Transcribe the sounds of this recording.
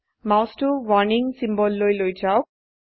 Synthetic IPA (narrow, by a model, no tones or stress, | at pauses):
mawsʈuʋɔniŋsimbɔlːojlojt͡ʃaw